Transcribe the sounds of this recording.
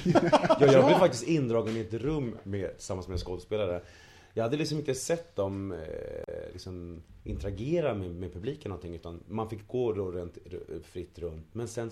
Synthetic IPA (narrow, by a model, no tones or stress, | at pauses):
jɑːjɑɛːɡblevfak̚t̪ɪst̪ɪnd̪ɾɑːɡənɪɛt̪ɾɵmːɛt̪ʰɪlsamːansmɛskɔspeːlaɾə | jɑɡhad̪ːəlɪks̬ɔmɪnt̪əsɛt̪ːd̪ɔm | lɪ̰ksɔmʔɪnt̪əɾaɡeːɾamɛmɛpʰɵbliːkənɔnt̪ʰɪŋːʉ̟ːt̪anmanfɪkːɡoːɾoɾeːnt̪fɾɪt̪ːɾɵnt̪mɛnsɛn